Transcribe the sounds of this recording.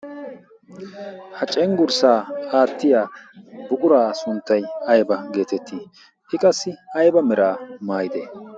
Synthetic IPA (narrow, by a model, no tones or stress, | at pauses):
hɐt͡ʃʼɛŋɡʊɾsaːaːt̪ːɪjaːbʊkʼʊɾaːsʊnt̪ːɐjɐjbɐɡe̞ːt̪ɛt̪ʰːiː | ʔɪkʼɐsːɪɐjbɐmɛɾaːmaːjɪd̪ḛː